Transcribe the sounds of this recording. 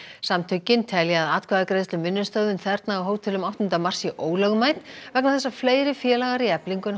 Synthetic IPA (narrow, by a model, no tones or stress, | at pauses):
samt̪ʰœcɪnt̪ʰɛljaːðaːt̪kʰvaðakɾejðst̪ʏmːɪnːʏst̪œːɣðʏnθɛɾt̪naːwɦoːwt̪ʰɪlʏmawht̪ʏnt̪amar̥sɪʔoːwlœɣmajt̪nvɛknawθɛsːafleːjɾɪfjɛːlaɣaɾiɛpliŋkʏn